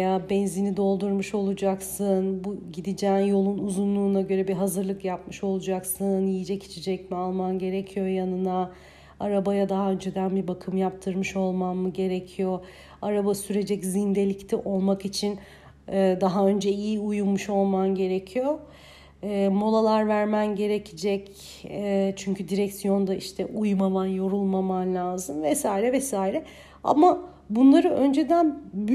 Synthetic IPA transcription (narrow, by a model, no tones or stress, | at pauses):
jabɛnzinid̪o̞lˠd̪uɾmuʃo̞lˠud͡ʒaksɯnbuɟid̪id͡ʒɛːnjo̞lˠunuzunlˠuːnaɟø̞ɾɛbiɦazɯɾlˠɯkjap̚mɯʃo̞lˠud͡ʒaksɯnjijid͡ʒɛcʰi̥t͡ʃʰid͡ʒɛcmialˠmanɟe̞ɾɛcʰijo̞janɯna | aɾabajad̪aɦaø̞nd͡ʒɛd̪ænbibakʰɯmjap̚t̪ʰɯɾmɯʃo̞lˠmamːɯɟe̞ɾecʰijo̞ | aɾabasyɾe̞d͡ʒɛczind̪e̞lʲict̪ʰiʔo̞lˠmakit͡ʃʰinː | d̪aɦaø̞nd͡ʒɛijiujumːuʃo̞lˠmanɟe̞ɾecʰijo̞ː | mo̞lˠalˠaɾvæɾmænɟe̞ɾecʰid͡ʒɛcː | t͡ʃʰyɲcyd̪iɾɛcsijo̞nd̪aiʃt̪ʰɛʔujmamanjo̞ɾulˠmamanlʲaːzɯmvɛsaːiɾɛvɛsaːiɾɛ | a̰ma | bunlˠaɾɯʔø̞nd͡ʒe̞d̪ænb